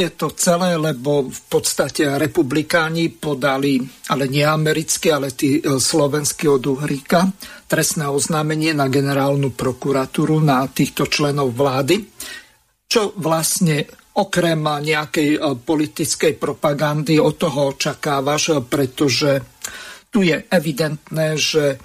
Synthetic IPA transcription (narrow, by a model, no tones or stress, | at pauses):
jɛt̪ɔt͡sɛlɛːlɛbɔfpɔt̪st̪acɛɾɛpublikaːɲipɔd̪alialɛɲɪɛamɛɾit͡skialɛt̪iːslɔʋɛnskiɔd̪uɦɾikat̪ɾɛsnɛːɔznaːmɛɲɪɛnaɡɛnɛɾaːlnupɾɔkuɾat̪uːɾunat̪iːxt̪ɔt͡ʃlɛnɔʊʋlaːd̪i | t͡ʃɔʋlasɲɛ | ɔkɾɛmɲɛakɛjpɔlit̪it͡skɛjpɾɔpaɡand̪iɔt̪ːɔɦɔɔt͡ʃakaːʋaʃpɾɛt̪ɔʒɛ | t̪ujɛɛʋid̪ɛnt̪nɛːʒɛ